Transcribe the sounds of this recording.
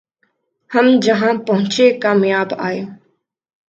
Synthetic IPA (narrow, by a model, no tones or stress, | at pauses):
hɐmd͡ʒɐɦãpɐɦʊ̃t͡ʃekaːmjaːba̰ːeː